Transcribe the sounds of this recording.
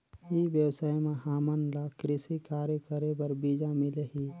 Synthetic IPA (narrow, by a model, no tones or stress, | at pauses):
iʋjəwsaːjmãɦaːmənlakɾɪsikaːɾjəkəɾebəɾbiːd͡ʒãmɪleɦi